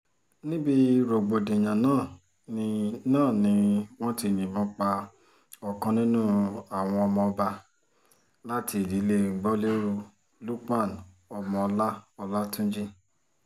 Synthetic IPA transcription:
nĩ˦bi˦ɾo˨ɡ͡bo˨dẽ˨j̃ã˨nãː˦˨ | n˧nãː˦˨nĩ˧w̃ɔ̃˦ti˧˨nĩ˨bɔ̃˧k͡pa˧ | ɔ˨kã˧nĩ˦nũ˦a˨w̃ɔ̃˧ɔ˧mɔ̃˧ɔ˧ba˧ | la˦ti˧i˨li˨˦le˦˨ɡ͡bɔ˦le˦ɾu˧ | lu˦k͡pa˦˨n | ɔ˧mɔ̃˧ɔ˧la˦ɔ˧la˦tũ˦d͡ʒi˦

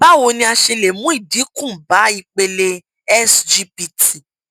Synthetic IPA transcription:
ba˦wo˧nĩ˧a˧ʃe˧le˨mũ˨˦i˦˨di˨˦kũ˦˨ba˨˦i˧k͡pe˧le˧ | ɛ˦sd͡ʒi˧pi˧tʰi˨

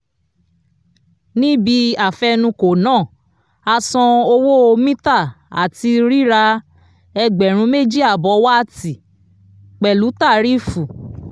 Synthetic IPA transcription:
nĩ˦bi˧a˨fɛ˧nũ˧ko˨nãː˦˨ | a˧sɔ̃˧o˧wo˦o˧mĩ˦ta˦˨ | a̰˨ti˧ɾi˦ɾa˧ | ɛ˧ɡ͡bɛ˨ɾ̃ũ˧˦me˦d͡ʒi˦˨a˦˨bɔ˨˦wa˦a˦˨ti˨ | k͡pɛ˨lu˨˦ta˦˨ɾi˦fu˨

